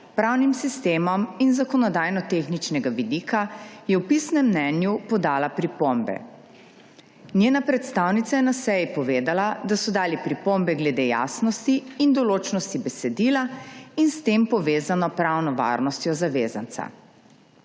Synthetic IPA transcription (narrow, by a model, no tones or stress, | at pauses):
pɾawnimsist̪eːmɔminzakɔnɔd̪ajnɔt̪exnit͡ʃnɛɡaʋid̪ikajɛwpisnɛmːnɛːnjupɔd̪aːlapɾipombɛ̰ | nʲjeːnapɾɛt̪st̪aːwnit̪sajɛnasɛjipɔʋeːd̪alad̪asɔd̪aːlipɾipombɛɡlɛd̪eːja̰ːsnɔst̪iːnd̪ɔloːt͡ʃnɔst̪ibɛsɛd̪ilainst̪empɔʋeːzanɔpɾawnɔʋa̰ːɾnɔst̪jɔzaʋeːzant̪sa̰